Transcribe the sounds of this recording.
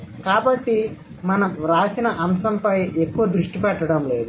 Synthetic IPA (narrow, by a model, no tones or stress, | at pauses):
kaːbɐʈːi | mɐnɐmɾaːsinɐʔɐmsɐmpɐjekːuʋɐd̪ɾuʂʈipɛʈːɐɽɐmle̞ːd̪u